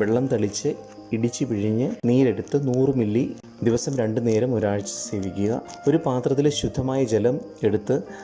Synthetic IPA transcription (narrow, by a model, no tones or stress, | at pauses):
ʋeɭːɐmt̪ɐɭit͡ɕːɨ | iɽit͡ɕːɨpiɻiɲːɨniːɾe̞ɽut̪ːɨnuːrɨmilːi | d̪iʋɐsɐmɾe̞ɳɖɨne̞ːɾɐmoɾaːɻt͡ɕːɨ̥se̞ːʋikʲːuɣɐ̰o̞ɾupaːt̪rɐt̪̬ːilɕud̪ʱːɐmaːjɐd͡ʑe̞lɐm | e̞ɽut̪ːɨ